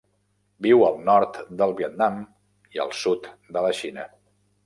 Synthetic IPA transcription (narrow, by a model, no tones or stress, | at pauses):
biwəlˠnɔɾt̪d̪əlˠβiət̪̚nam | iə̰lˠsut̪d̪ələʃinə